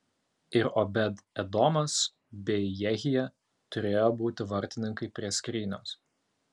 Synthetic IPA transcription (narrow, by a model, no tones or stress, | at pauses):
ɪɾobʲɛd̪ɛd̪ɔmɐs | bʲɛɪjɛɣʲɪjɛ | t̪ʊɾʲeːjoːbuːt̪ʲɪʋɐɾʲt̪ʲɪnʲɪŋkɐɪpʲɾʲiɛsʲkɾʲiːnʲo̰ːs